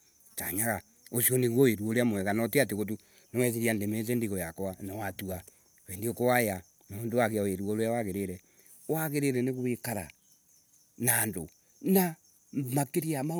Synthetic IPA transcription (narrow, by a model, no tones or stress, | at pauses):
ta̰ɲaɣa | osioneɣwɔweɾwoɾeamwɛɣanɔteat̬eɣot̬u | nɔwɛs̬eɾiandemet͡s̬ɛndiɣɔjakowanɔwatua | βendiokowaja | naondoaɣeaoeɾwoɾeawaɣeɾeɾɛ | waɣeɾeɾɛneɣowekaɾa̰ | naːndo | na | makeɾiama